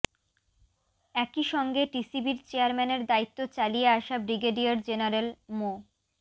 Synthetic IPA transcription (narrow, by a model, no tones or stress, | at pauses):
ɛkiʃɔŋɡeʈisibiɾt͡ɕeaɾmɛneɾd̪ait̪ːot͡ɕalieaʃabɾiɡeɖiaɾd͡ʑenaɾelmo